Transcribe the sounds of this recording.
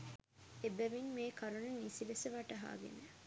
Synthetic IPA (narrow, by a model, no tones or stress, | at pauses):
ebɐʋinmeːkʰɐɾunɐnisiʋeseʋɐʈɐɦa̰ːɡḛne